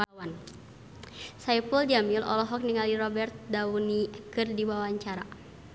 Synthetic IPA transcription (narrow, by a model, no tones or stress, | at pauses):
wan | saipuld͡ʒamilʔɔ̰lɔɦɔk̚niŋalirɔbɛrt̪̚daunikɨrdibawaɲt͡ʃaɾa